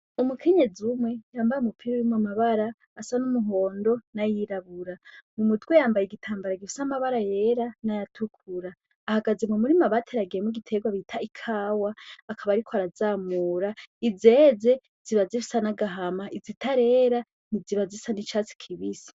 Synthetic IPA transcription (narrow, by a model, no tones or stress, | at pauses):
umukʰe̞ɲe̞d͡zumwe̞jaːmbajumupʰiɾajumwamaβaɾaː | sanumuɦo̞ːndo̞najiɾaβuɾamumudɡwejaːmbajeɡitʰaːmbaɾaɡifi̥samaβaɾajeɾanajatʰukʰuɾaː | haɡazemumuɾimaβatʰe̞ɾaɡiemuɡitʰe̞ɡwaβitʰaikʰaːwaːkʰaβaɾikʰoaɾazaːmuːɾaize̞ːze̞ | z̥iβazifi̥sanaɡaɦamaʔizitʰaɾe̞ːɾa | niziβazisanit͡ʃaːt͡si̥kʰiβisi̥